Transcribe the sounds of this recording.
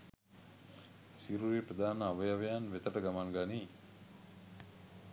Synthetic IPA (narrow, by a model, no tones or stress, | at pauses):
siɾuɾipɾəd̪aːnəaʋəjaʋejanʋet̪əʈəɡamaŋɡaniː